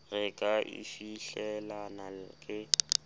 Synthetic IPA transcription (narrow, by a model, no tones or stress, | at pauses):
rɪkʼaʔḭfiɬɛlanalɪkʼɪ